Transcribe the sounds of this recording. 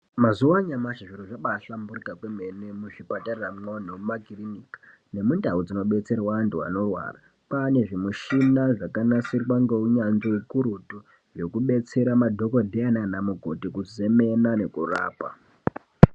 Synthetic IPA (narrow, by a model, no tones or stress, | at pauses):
mazuwaɲamaʃiʐiɾoʐaɓaːɬamburikakwemenemuʐipatariramŋonoumaɡʱirinikḁ | ne̞mundaud͡zino̞ɓe̞t͡se̞rwaantua̰no̞rwa̰ːra | pane̞ʐimuʃinaʐakanasirwaŋɡeuɲanzoukuɾutu | ʐe̞kuɓe̞t͡se̞ɾamadʱo̞ko̞dʱeananamuɡʱo̞tikuze̞me̞nane̞kura̰ːpa̰